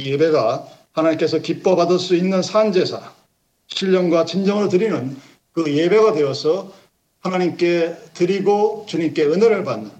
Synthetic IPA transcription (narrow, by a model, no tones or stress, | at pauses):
jjebe̞ɡa | hanaɲimk͈e̞sʰʌkip͈ʌbadɯɭs͈uinːɯnsʰand͡ʑe̞sʰa | ɕʰiʎːʌŋɡwat͡ɕind͡ʑʌŋɯɾotɯɾinɯn | kɯje̞be̞ɡadwe̞ʌsʰʌ | hanaɲimk͈e̞tɯɾiɡot͡ɕuɲimk͈e̞ɯneɾɯɭpanːɯn